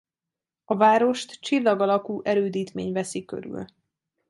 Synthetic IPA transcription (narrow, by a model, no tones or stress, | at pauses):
ɒvaːɾo̞ʃt̪t͡ʃilːɒɡɒlɒkuːʔɛɾøːd̪iːt̪meːɲvɛsikø̰ɾʉ̰l